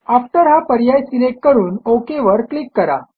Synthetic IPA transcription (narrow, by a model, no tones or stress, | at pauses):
afʈ̪əɾɦapəɾjajsinekːəɾuːnokeʋəɾklikːəɾa̰